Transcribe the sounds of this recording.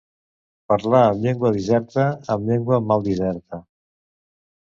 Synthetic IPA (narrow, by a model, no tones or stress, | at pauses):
pəɾlaəmʎeŋɡwəðizɛɾt̪əːmʎeŋɡwəmalˠd̪izɛɾt̪ə